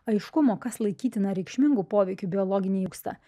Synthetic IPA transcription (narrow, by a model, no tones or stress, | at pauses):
ɐɪʃkʊmoːkɐslˠɐɪkʲiːt̪ʲɪnɐɾʲɛɪkʃʲmʲɪŋɡuːpoːʋʲɛɪkʲʊbʲɪɔlˠɔːɡʲɪnʲeːjuːkst̪ɐ̰ː